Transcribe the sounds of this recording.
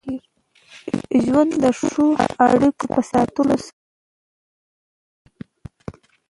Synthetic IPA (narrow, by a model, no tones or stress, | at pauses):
ʒwand̪d̪əʂʂoa̰ɽikopəsɑt̪əlos